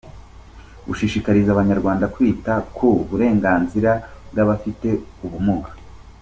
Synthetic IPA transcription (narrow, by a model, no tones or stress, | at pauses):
ɡṵʃiʃikaɾizaβaɲaɾɡwaːndakwiːtakʰouβuɾe̞ːŋɡaːnziɾabɡaβafite̞uβumuɡḁ